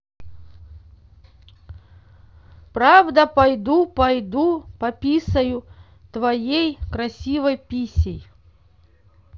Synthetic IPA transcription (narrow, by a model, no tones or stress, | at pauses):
pɾavd̪əpɐjd̪upɐjd̪upɐpʲisəjʊ | t̪vɐjejkɾɐsʲivəjpʲisʲɪj